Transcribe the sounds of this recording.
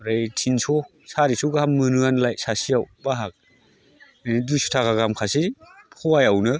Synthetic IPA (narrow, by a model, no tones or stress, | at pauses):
ɾajtʰinsʰɔ | saɾisuɡaamːɯnɯanlajsasijawbaɦak̚ | nidujsu̥tʰakaɡamkʰasipʰɔwajawnɯ